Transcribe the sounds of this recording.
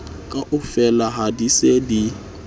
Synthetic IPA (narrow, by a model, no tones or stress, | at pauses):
kʼaʔʊfɛlaɦadisedi